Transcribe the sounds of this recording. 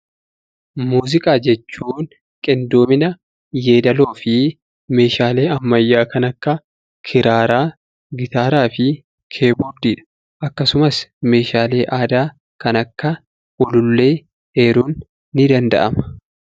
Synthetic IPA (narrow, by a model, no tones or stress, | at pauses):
muːzɪkʼaːd͡ʒɛt͡ʃːuːn | kʼɪnd̪oːmɪnɐ | je̞ːd̪ɐlo̞ːfɪ | me̞ːʃaːle̞ːɐmːɐjːaːkɐnɐkːɐ | kʰɪɾaːɾaː | ɡɪt̪aːɾaːfɪ | kʰe̞ːbɔɾd̪iːᶑɐ̥ | ʔɐkːɐsʊmɐsme̞ːʃaːle̞ːʔaːd̪aː | kɐnɐkːɐ | ɔlʊlːe̞ː | eːɾuːnː | ɪd̪ɐnd̪ɐ̰ʔɐmɐ̥